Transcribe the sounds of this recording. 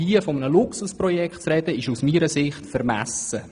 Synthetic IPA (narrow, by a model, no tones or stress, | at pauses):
iəfɔmənəlʊksusprɔjɛkχtt͡sɾɛd̥̪əɪʃusmiːɾəsɪχtfəɾmæsə